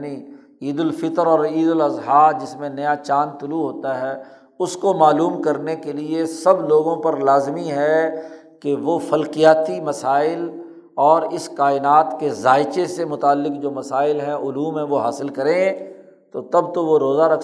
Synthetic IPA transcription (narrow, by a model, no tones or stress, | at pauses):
ni | iːd̪ʊlfɪt̪əɾɔːɾiːd̪ʊlɐzɦaːɾd͡ʒɪsmẽnɐjat͡ʃaːnt̪ʊluɦoːt̪aɦɛ | ʊskomaːluːmkɐɾnekeliesɐbloːɡõpɐɾlaːzmiɦɛ | keʋofɐlqijaːt̪imɐsaːɪl | ɔːɾɪskaːɪnaːt̪kezaːɪt͡ʃesemʊt̪aːlːɪkd͡ʒoːmɐsaːɪlɦɛ̃ʔʊluːmɦɛ̃ʋoɦa̰ːsɪlkɐɾẽ | t̪ot̪ɐb̚t̪oʋoɾoːzaɾɐkʰ